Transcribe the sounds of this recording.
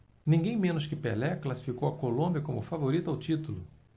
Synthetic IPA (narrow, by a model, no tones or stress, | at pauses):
nĩŋɡẽj̃mẽnʊskɪpelɛklasi̥fikowɐkolõmbjɐkõmʊfavoɾit̪ʊawt͡ʃit̪ulʊ